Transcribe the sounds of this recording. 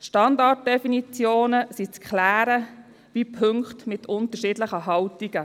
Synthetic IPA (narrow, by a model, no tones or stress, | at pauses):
ʃtɑndɑt̚d̥ɛfinit͡sjoːnəsit͡skʰχlæːɾə | vipʰʏŋkχtmɪtʰʊntəʃiːdləχəɦɑwtiɡ̥ə